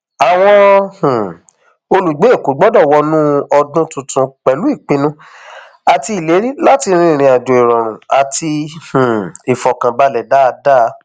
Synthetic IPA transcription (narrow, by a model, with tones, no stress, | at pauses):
a˨w̃ɔ̃˦h̩˨ | o˧lu˨ɡ͡be˨˦e˦˨ku˨˦ɡ͡bɔ˦dɔ˦˨wɔ˧nũ˦ɔ˧dũ˦tũ˧tũ˧k͡pɛ˨lu˨˦i˦˨k͡pĩ˧nũ˦ | a˨ti˧˦i˨le˨˦ɾi˦la˦ti˧ɾ̃ĩ˦˨˧ɾ̃ĩ˧a˨dũ˨i˨ɾɔ̃˨ɾ̃ũ˨a˨tʰi˧h̩˨i˨fɔ˨kã˨ba˧lɛ˨da˦˧da˦˧˦